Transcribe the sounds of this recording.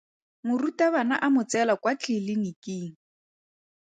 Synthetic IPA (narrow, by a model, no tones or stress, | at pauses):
mʊrutaβana̰ʔamʊt͡sɛlakwat͡ɬʰɪlɪnikiːŋ̩